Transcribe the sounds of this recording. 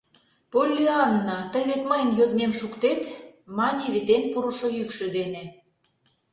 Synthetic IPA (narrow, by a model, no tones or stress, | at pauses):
polʲːiɑnːɑt̪əjβet̪məjənløɣnemʃukt̪et̪mɑnʲeβet̪enpuɾuʃojykʃø̆d̪ene